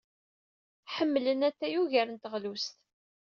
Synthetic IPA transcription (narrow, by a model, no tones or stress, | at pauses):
ħəmːlənæt̪ːæjuʝæɾənt̪əʁlust̪